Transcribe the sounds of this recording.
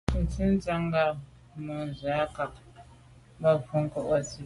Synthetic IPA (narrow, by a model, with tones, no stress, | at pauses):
n̩˨t͡si˦n˦d͡za˦ŋɡa˨ | mɔ˨n˨za˦ka˨k̚ | ba˦vu˦ŋ̩˦kɔ˦˨ʔwa˦˨si˦